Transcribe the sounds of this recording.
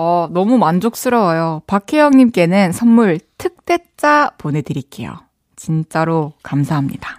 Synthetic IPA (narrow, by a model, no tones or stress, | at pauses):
ʌnʌmumand͡ʑok̚s͈ɯɾʌwajopakʰejʌŋɲimk͈e̞nɯnsʰʌnmuɭtʰɯk̚t͈e̞t̚t͡ɕ͈apone̞dɯɾik͈e̞̰jo̰ | t͡ɕint͡ɕ͈aɾokamsʰaɦamɲḭda